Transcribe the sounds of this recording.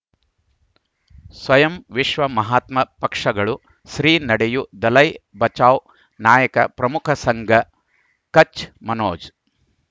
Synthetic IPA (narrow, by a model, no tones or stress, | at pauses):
sʋɐjɐmʋiʃʋɐmɐɦaːt̪mɐpɐkʂɐɡɐɭu | ʃɾiːnɐɽɛjud̪ɐlɐjbɐt͡ʃaːw | naːjɐkɐ̰pɾɐmukʰɐsɐŋɡɐ | kɐt͡ʃmɐnoːd͡ʒ